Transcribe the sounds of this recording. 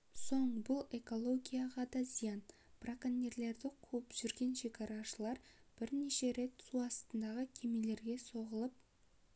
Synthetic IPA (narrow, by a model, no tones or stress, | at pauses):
so̞ɴbʊlˠe̞ko̞lˠo̞ɡʲijaʁɑd̪ɑzijɑn | prakanʲːe̞ɾle̞ɾd̪ɪqʰɵɪpʒ̥ʏɾɡʲe̞nʃe̞kɑɾɑʃəlˠɑɾ | b̥ɪɾne̞ʃe̞ɾe̞t̪suɑst̪ənd̪ɑʁəkʲʰe̞me̞le̞ɾɡʲe̞so̞ʁəlˠəp